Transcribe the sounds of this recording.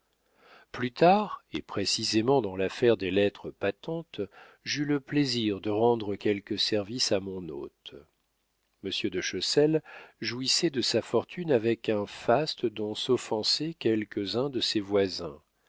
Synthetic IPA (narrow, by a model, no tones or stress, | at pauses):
plyt̪ʰaʁḛpχesizemɑ̃d̪ɑ̃lafɛʁd̪elɛt̪χəpat̪ɑ̃t̪ | ʒyləpleziʁd̪əʁɑ̃d̪ʁəkʲɛlkʲəsɛʁvisamɔ̃no̰t̪ | məsjød̪əʃɔsɛlʒuisɛd̪əsafɔʁt̪ʰynavɛkɛ̃fast̪əd̪ɔ̃sɔfɑ̃sɛkʲɛlkəzɛ̃d̪əsevwazɛ̰̃